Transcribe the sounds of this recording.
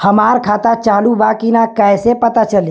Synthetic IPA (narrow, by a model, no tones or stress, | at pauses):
həmaɾkʰat̪at͡ʃaːɦlubakinakajsepət̪at͡ʃəl